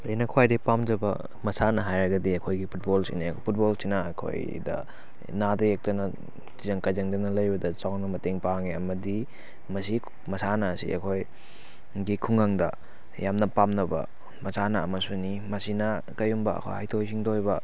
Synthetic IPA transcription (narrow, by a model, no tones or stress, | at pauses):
ejnɐkʰwajdepamd͡ʒɐbɐ̰ | mɐsanɐɦajɾɐɡɐdiɐkʰojɡipʰut̚bolsḭnepʰut̚bolsinɐɐkʰo̰j | dɐ̰ | nadɐjek̚tɐnɐ | tizɐŋkajzɐŋdɐnɐlɐjbɐdɐt͡ʃawnɐmɐteŋpaŋiɐmɐdi | mɐsi | mɐsanɐːsḭʔɐ̰kʰoj | ɡikʰuŋaŋdɐ | jamnɐpamnɐbɐ̰ | mɐsanɐɐmɐsunimɐsinɐ | kɐjumbɐɐ̰kʰo̰jhajtʰojsiŋdojbɐ